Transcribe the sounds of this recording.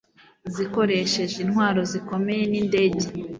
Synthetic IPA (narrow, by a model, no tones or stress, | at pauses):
ziko̞ɾe̞ʃe̞ʒinhwaːɾo̞ziko̞me̞je̞ninde̞ːɟe